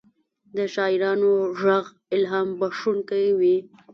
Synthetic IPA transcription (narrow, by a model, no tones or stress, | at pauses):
d̪əʃɑːɪɾɑnoʒaɣ | ɪlɦɑːmbaʂunkawi